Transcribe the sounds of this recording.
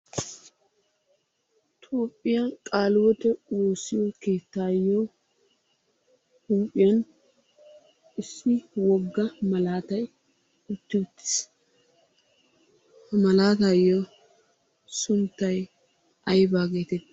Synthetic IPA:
t̪ʰoːpʼːɪjakʼaːlwɔt̪ɛwoːsːɪjɔkeːt̪ːaːjːo | huːpʼːɪjɐn | ʔɪsːɪwɔɡːɐmɐlaːt̪ɐj | ʊt̪ːɪt̪ːɪ̥s | mɐlaːt̪ajo | sʊnt̪ːɐj | ʔɐjbaːɡeːt̪ɛt̪ː

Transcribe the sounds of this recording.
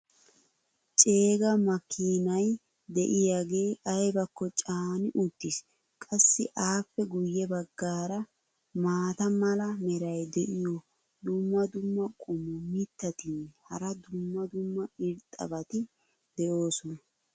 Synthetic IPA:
t͡ʃʼe̞ːɡɐmɐkʰːiːnɐj | d̪ɛʔɪjaɡe̞ːʔɐjbɐkːɔt͡ʃʼaːnɪʔʊd̪̥ːɪs | kʼɐsːɪʔaːpːɛɡʊjːɛbɐɡːaːɾɐ | maːt̪ɐmɐlɐmɛɾɐjd̪ɛʔɪjɔ | d̪ʊmːɐd̪ʊmːɐkʼʊmʊmɪt̪ːɐt̪ɪnhɐɾɐd̪ʊmːɐd̪ʊmːɐɪɾt̪ʼɐ̰bɐt̪ɪ | d̪̥ɛjo̞ːsɔnɐ

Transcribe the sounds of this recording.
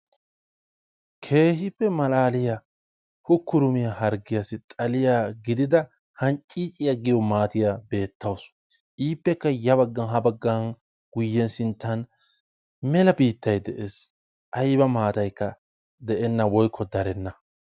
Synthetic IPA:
kʰe̞ːɦɪpːɛmɐlaːlɪjɐ | hʊkːʊɾʊmɪjɐhɐɾɡɪjɐsɪt̪ʼɐlɪjaːɡɪd̪ɪd̪ɐ | hɐnt͡ʃʼːiːt͡ʃʼɪjɐɡɪjɔmaːt̪ɪjabe̞ːt̪ːɐws | ʔiːpːɛkːɐjɐβɐɡːɐnɦɐbɐɡːɐn | ɡ̥ʊjːɛnsɪnt̪ːɐn | mɛlɐbiːt̪ːɐjd̪ɛʔeːs | ʔɐjbɐmaːt̪ɐjkːɐ | d̪ɛʔɛnːɐwɔjkʰːɔd̪ɐɾɛnːɐ

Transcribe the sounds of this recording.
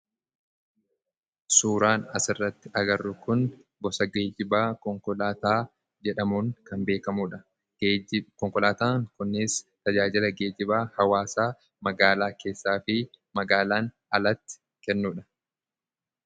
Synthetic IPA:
suːɾaːnɐsɪrːɐt̪ːɪʔɐɡɐrːʊkʊn | bɔsɐɡeːd͡ʒɪbaːkɔŋkɔlaːt̪aː | d͡ʒɛᶑɐmuːŋkɐmbe̞ːkɐmuːᶑɐ | kɔŋkɔlaːt̪aːŋkʊnːɪst̪ɐd͡ʒaːd͡ʒɪlɐɡe̞ːd͡ʒɪbaːhɐwaːsaː | mɐɡaːlaːke̞ːsːaːfɪmɐɡaːlaːn | ɐlɐt̪ːɪ̥ | kɛnːuːᶑɐ̥

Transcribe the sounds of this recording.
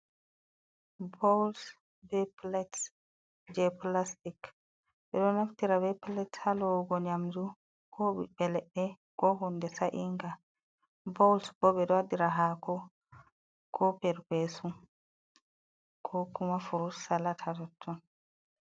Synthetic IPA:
bɔwls | bɛplɛt | d͡ʒɛplastik | ɓɛɗɔnaftiɾabɛplɛthalɔɡɔɲamd͡ʒu | kʰɔɓḭɓɛlɛɗːɛ | kɔɦundɛsaʔiŋɡa | bɔwlsbɔɓɛɗɔadiɾaɦakɔ | kʰɔpɛɾpesum | kʰɔkumafuɾussalatʰatɔtʰːɔn

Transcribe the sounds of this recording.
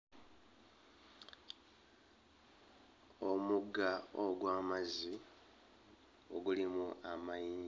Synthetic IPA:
omuɡaoɡwaːmazi | oɡulimuʔamajiː

